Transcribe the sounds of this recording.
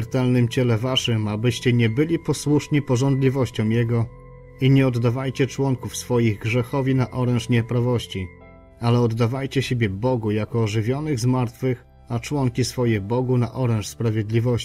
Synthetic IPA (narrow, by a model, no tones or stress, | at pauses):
ɾt̪ɛlnɘmt͡ɕɛlɛvaʂɘmabɘɕt͡ɕɛɲɛbɘlʲipɔswuʂɲipɔʐɔnd̪lʲivɔɕt͡ɕɔ̃w̃jɛɡɔ | iɲɛɔd̪ːavajt͡ɕɛt͡ʂwɔŋkufsfɔjiɣɡʐɛxɔvʲinaʔɔɾɛnʂɲɛpɾavɔɕt͡ɕi | alɛɔd̪ːavajt͡ɕɛɕebʲjɛbɔɡujakɔːʐɘvʲjɔnɘɣzmaɾt̪fɘx | at͡ʂwɔŋkʲisfɔjɛbɔɡuna̰ʔɔɾɛ̃nʂspɾavʲjɛd̪lʲivɔɕ